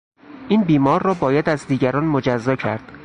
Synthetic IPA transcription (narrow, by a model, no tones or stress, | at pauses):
ʔiːnbiːmɒːɾːɒːbɒːjæd̪æzd̪iːɟæɾɒːnmod͡ʒæzːɒːcʰæɾd̪̥